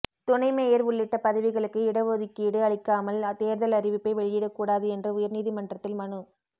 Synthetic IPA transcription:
t̪ʊnɐɪmejɐɾʊɭːɪʈːɐpɐðɐʋɪɣɐɭɯkːɯɪɽɐʋoːðɪkːiːɽɯɐɭɪkːaːmɐlt̪eːɾðɐlɐrɪʋɪpːɐɪʋɛɭɪjɪɽɐkːuːɽaːðɯɛndrɐʊjɐɾniːðimɐndrɐt̪ːɪlmɐnɯ

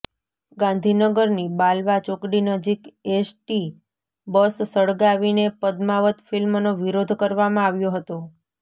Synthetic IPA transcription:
ɡãnd̪ʱinəɡəɾnibalʋat͡ʃokɽinəd͡ʒikesʈi | bəsːəɭɡaʋinepəd̪maʋət̪filmnoʋiɾod̪ʱkəɾʋamãaʋjoɦət̪o

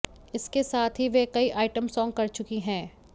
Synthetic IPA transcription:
ɪskesaːt̪ʰɦiʋekɐiʔaːɪʈəmsɔːŋɡ̚kɐɾt͡ʃʊkiɦɛ̃ː

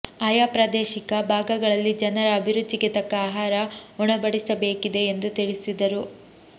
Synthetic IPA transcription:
ɐjaːpɾɐd̪eːʃikɐbʱaːɡɐɡɐɭɐlːid͡ʒɐnɐɾɐːbʱiɾud̪ːiɡet̪ɐkːɐaːɦaːɾɐuɳɐbɐɽisɐbeːkid̪e̞ːnd̪ut̪iɭisid̪ɐɾu

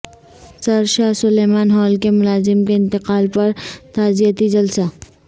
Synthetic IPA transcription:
sɐɾʃaːɦsʊleːmaːnɦɔːlkemʊlaːzɪmkeɪ̃nt̪ɪqaːlpɐɾt̪aːzijət̪id͡ʒɐlsa

